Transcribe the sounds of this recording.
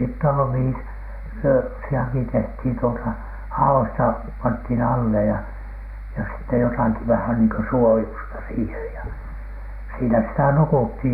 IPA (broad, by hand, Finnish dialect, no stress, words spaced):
sitː olːu mihi s yøsiɑki tehthiˑn tuotɑ hɑoistɑ pɑnthiˑn ɑlːe jɑ jos sitːe jotɑki ʋæhæn niːŋ kø suojustɑ sihej jɑ siːnæ sitæ nukuthiˑj